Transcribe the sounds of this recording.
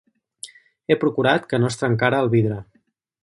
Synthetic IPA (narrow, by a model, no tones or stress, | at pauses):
epɾukuɾat̪kənoəst̪ɾəŋkaɾəːlˠβiðɾə